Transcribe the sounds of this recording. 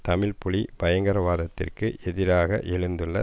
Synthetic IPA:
t̪ɐmɪɭpʊɭibɐjɐŋɡɐɾɐʋaːðɐt̪ːɪ̰rkɯʔɛðɪɾaːɣɐʔɛɻɯnd̪ɯɭːɐ

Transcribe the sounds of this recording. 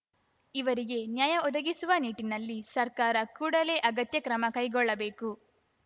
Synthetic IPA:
iʋɐɾiɡe̞njaːjɐɔd̪ɐɡisuʋɐniːʈinɐlːisɐɾkaːɾɐkuːɽɐle̞ːʔɐɡɐt̪jɐkɾɐmɐkɐjɡɔɭːɐbe̞ːku

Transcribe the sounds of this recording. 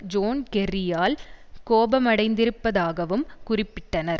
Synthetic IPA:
d͡ʒoːnkɛrɪjaːlkoːbɐmɐɽɐɪnd̪ɪɾɯpːɐðaːɣɐʋɯmkʊrɪpːɪʈːɐnɐɾ

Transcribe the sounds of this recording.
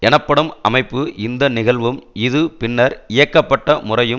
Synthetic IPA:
ɛɳɐpːɐɽɯmɐmɐɪpːɯʔɪnd̪ɐnɪɣɐɭʋɯmɪðɯpɪnːɐɾɪjɐkːɐpːɐʈːɐmʊrɐjɯ

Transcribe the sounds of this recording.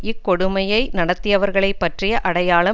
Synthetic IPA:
ɪkːɔɽɯmɐjɐɪnɐɽɐt̪ːɪjɐʋɐɾɣɐɭɐɪpːɐʈrɪjɐʔɐɽɐjaːɭɐ

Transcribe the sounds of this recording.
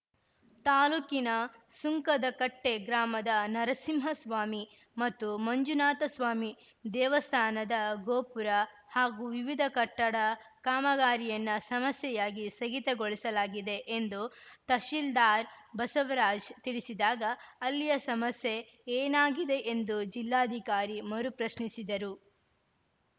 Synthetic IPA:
t̪aːluːkinɐsuŋkɐd̪ɐkɐʈːeɡɾaːmɐd̪ɐnɐɾɐsimɦɐsʋaːmi | mɐt̪ːumɐɲd͡ʒunaːt̪ɐsʋaːmi | d̪ɛːʋɐst̪ʰaːnɐd̪ɐɡoːpuɾɐ | haːɡuʋiʋid̪ʱɐkɐʈːɐɽɐkaːmɐɡaːɾijɐnːɐsɐmɐsjɛjaːɡisɐɡit̪ɐɡoɭisɐlaːɡid̪e̞ʔend̪ut̪ɐʃild̪aːɾbɐsɐʋɐɾaːd͡ʒt̪iɭisid̪aːɡɐːlːijɐsɐmɐsje̞ | eːnaːɡid̪e̞ʔend̪ud͡ʒilːaːɐd̪ʱikaːɾimɐɾupɾɐʃɳisid̪ɐɾu

